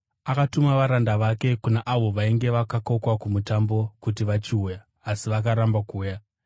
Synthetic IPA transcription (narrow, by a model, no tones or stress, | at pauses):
akatumaʋaɾandaʋake̞kunaʔaʋo̞ʋaiŋɡe̞ʋakako̞kwakumutambo̞kut̬iʋat͡ʃiujaː | siʋak̬aɾambakuːja